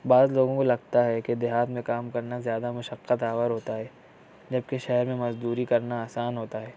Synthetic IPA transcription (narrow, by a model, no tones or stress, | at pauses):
baːzloːɡõkolɐɡ̚t̪aɦɛked̪ɪɦaːt̪mẽkaːmkɐɾnazjaːd̪amʊʃəqːət̪aːʋəɾɦoːt̪aɦɛː | d͡ʒɐb̚keʃɛɦɛɾmẽmɐzd̪uːɾikɐɾnaaːsaːnɦoːt̪aɦɛː